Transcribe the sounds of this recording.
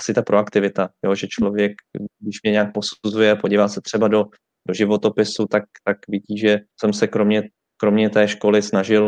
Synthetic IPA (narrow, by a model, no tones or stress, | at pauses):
asɪt̪apɾoakt̪ɪvɪt̪ajo̞ʒɛt͡ʃlo̞vjɛk̚ɡdɪʃmɲɛɲɛaːk̚po̞suzujɛpoɟivaːsɛt̪r̝̥ɛbado̞ | do̞ʒɪvo̞t̪o̞pɪsut̪ak̚t̪akvɪɟiːʒɛsɛmsɛkɾomɲɛ | kɾo̞mɲɛt̪ɛːʃko̞lɪsnaʒɪl